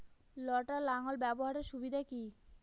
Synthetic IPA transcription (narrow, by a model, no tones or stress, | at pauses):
lɔʈalaŋolbɛboɦaɾeɾʃubid̪ʱaki